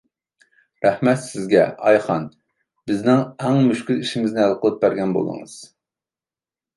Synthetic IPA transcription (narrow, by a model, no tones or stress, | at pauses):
ɾɛhmɛt̪sɪzɡʲɛ̰ɑjχɑn | b̥ɪznɪŋæŋmyʃkʲyliʃimɪznɪælˠqəlˠɨp̚bæɾɡʲɛnbo̰lˠɨ̰ŋɨ̰z̥